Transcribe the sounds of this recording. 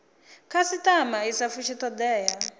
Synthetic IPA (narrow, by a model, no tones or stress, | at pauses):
kʰasitʼamaisafuʃitɔd̪ɛːja